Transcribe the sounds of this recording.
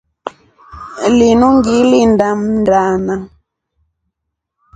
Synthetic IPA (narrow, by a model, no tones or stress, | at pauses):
linuŋɡilindam̩ndana